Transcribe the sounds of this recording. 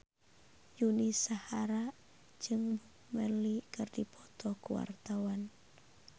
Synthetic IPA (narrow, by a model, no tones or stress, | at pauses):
junisahaɾa | d͡ʒɨŋbukməlikɨrdipʰɔt̪ɔkuwa̰rt̪awan